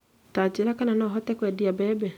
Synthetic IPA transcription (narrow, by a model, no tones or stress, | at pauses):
taːt͡ʃeɾakananɔːɦɔtɛkwɛdiabɛːbɛ